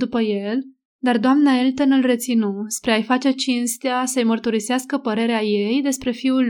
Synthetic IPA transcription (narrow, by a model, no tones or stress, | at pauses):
d̪upəje̞l | d̪ard̪oamnaelt̪onɨlre̞t̪sinospɾeajfat͡ʃe̞t͡ʃinst̪easəjmərt̪uɾiseaskəpəɾe̞ɾeaje̞jd̪e̞spɾe̞fiul